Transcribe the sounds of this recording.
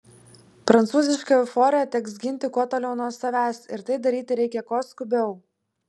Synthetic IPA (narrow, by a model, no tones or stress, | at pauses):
pɾɐnt̪suːzʲɪʃʲkɑʊfoːɾʲɪjɛt̪ʲɛksɡʲɪnʲt̪ʲɪkuɔt̪oːlʲɛʊnuɔsɐʋʲæːsɪɾt̪ɐɪd̪ɐɾʲiːt̪ʲɪɾʲɛɪkʲɛkoːskʊbʲɛʊ